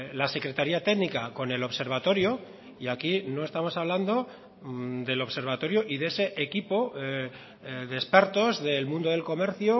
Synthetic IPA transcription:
lase̞kɾe̞t̪aɾiat̪e̞ɣnikako̞ne̞lo̞βse̞ɾβ̞at̪oɾjo | iakino̞e̞st̪amo̞saβ̞land̪o̞ | d̪e̞lo̞βse̞ɾβ̞at̪o̞ɾjoʔiðeese̞ʔekipo | ðe̞spe̞ɾt̪o̞zðe̞lmũnd̪o̞ð̞e̞lko̞me̞ɾθjo

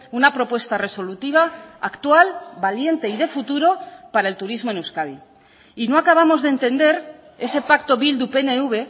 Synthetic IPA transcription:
unapɾo̞pwe̞st̪are̞so̞lut̪iβ̞aakt̪walbalje̞nt̪e̞iðe̞fut̪uɾo̞paɾae̞lt̪uɾizmo̞e̞nuskaβi | ino̞akaβ̞amo̞zðent̪e̞nd̪e̞ɾ | e̞se̞pakt̪o̞βild̪upe̞neuβe̞

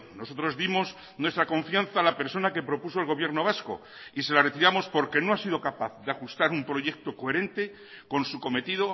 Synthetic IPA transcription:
no̞so̞t̪ɾo̞zðimo̞s | nwe̞st̪ɾako̞ɱfjanθaːlape̞ɾso̞nake̞pɾo̞puso̞e̞lɣ̞o̞βje̞ɾno̞βasko̞̰ | ise̞lare̞t̪iɾamo̞spo̞ɾke̞no̞asiðo̞kapaθðeaxust̪aɾumpɾo̞je̞k̚t̪o̞koe̞ɾẽ̞nt̪e | ko̞nsuko̞me̞t̪iðo

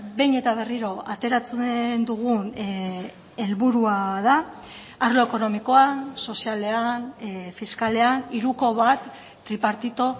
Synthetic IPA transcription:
be̞jɲe̞t̪aβ̞e̞riɾo̞at̪e̞ɾat͡snd̪uɣ̞un | e̞lβuɾuaða | aɾlo̞eko̞no̞miko̞anso̞siale̞anfiskale̞aniɾuko̞βat̪ː | ɾipaɾt̪it̪o̞

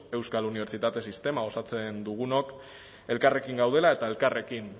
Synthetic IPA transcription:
e̞wskaluniβ̞e̞ɾt͡ʃit̪at̪e̞sist̪e̞mao̞sat͡se̞nd̪uɣ̞unok | e̞lkare̞kiŋɡawðe̞lae̞t̪aelkare̞kin

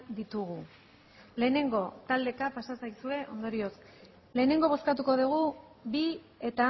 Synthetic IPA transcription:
d̪it̪uɣu | le̞ːne̞ŋɡo̞t̪ald̪e̞kapasasajsue̞ʔo̞̰nd̪o̞ɾio̞s | le̞ːne̞ŋɡo̞βo̞skat̪uko̞ð̞uɣ̞u | bi | e̞t̪a

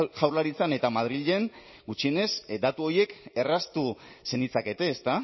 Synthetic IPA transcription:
ʝawrlaɾit͡sane̞t̪amað̞ɾiʎe̞n | ɡut͡ʃie̞ne̞sd̪at̪uo̞je̞ke̞rast̪u | se̞nit͡sake̞t̪e̞ːst̪a

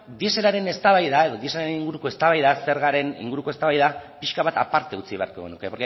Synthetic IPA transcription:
d̪ie̞se̞ɾaɾe̞ne̞st̪aβajðae̞ðo̞ðie̞seaɾeniŋɡuɾuko̞e̞st̪aβajðase̞ɾɣaɾe̞nḭŋɡuɾuko̞e̞st̪aβajðapiʃkaβat̪apaɾt̪e̞ut͡siβe̞aɾko̞̰ɣenukepoɾke

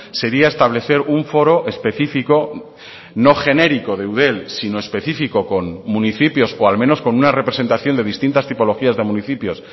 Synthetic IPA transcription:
se̞ɾiae̞st̪aβ̞le̞θe̞ɾuɱfo̞ɾo̞ʔe̞spe̞θifiko̞ | no̞xe̞ne̞ɾiko̞ð̞e̞uðe̞lsino̞e̞spe̞θifiko̞ko̞nmũniθipjo̞soalmẽno̞sko̞nunare̞pɾe̞se̞nt̪aθjo̞nd̪e̞ðist̪int̪ast̪ipo̞lo̞xiazðe̞muniθipjo̞s

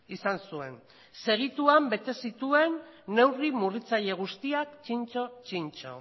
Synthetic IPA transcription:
isansue̞̰n | se̞ɣ̞it̪uambe̞t̪e̞sit̪ue̞nːe̞wrimurit͡saʎe̞ɣ̞ust̪iakt͡ʃint͡ʃo̞t͡ʃint͡ʃo̞̰

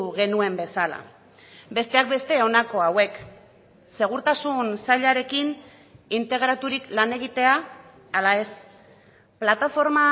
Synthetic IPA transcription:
ɣe̞nue̞mbe̞sala̰ | be̞st̪e̞ak̚be̞st̪e̞o̞nako̞awe̞k | se̞ɣuɾt̪asunsaʎaɾe̞kin | int̪e̞ɣ̞ɾat̪uɾiklane̞ɣ̞it̪e̞aː | lae̞s | plat̪afo̞ɾma

